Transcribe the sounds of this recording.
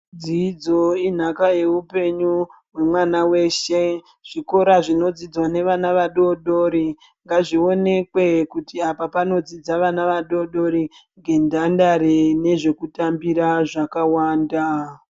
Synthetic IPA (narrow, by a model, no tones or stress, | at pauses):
d͡ziːd͡zo̞in̤akaje̞upe̞ɲuɦwe̞mwanawe̞ːʃe̞ | ʐ̥iko̞ɾaʐino̞d͡zid͡zwane̞ʋanaʋaɗo̞ɗo̞ɾi | ŋɡaʐio̞ne̞kwe̞kutiapapano̞d͡zid͡zaʋanaʋaɗo̞ɗo̞ɾiŋɡe̞ndandaɾene̞ʐe̞kutambiɾaʐakawaːnda